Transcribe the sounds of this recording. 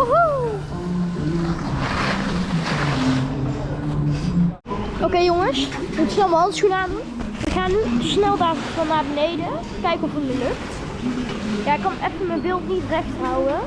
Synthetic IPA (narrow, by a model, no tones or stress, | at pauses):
oɦo | ʔokejoŋəsmutsnɛlˠməɦɑndəsχunaːndunʋəχaːnysnɛlˠdaːɹfɑnːaːɹbənejdə | kɛjkənɔfətməlɵkt | jaːɪkːɑnʔɛfəməbɪːlˠtnitrɛxtɦawə